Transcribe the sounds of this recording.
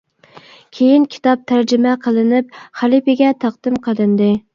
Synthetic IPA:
kʲʰejinkʲʰi̥t̪ɑp̚t̪ʰæɾd͡ʒɪmɛqʰəlˠɨnɪp̚χælˠipɪɡʲɛt̪ʰɑqd̪̥ɨmqʰəlˠɨnd̪ɨ

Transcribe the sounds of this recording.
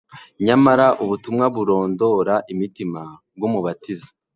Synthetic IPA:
ɲamaɾaʔuβutumŋaβuɾo̞ːndo̞ɾaʔimitima | b̚ɡumuβatizḁ

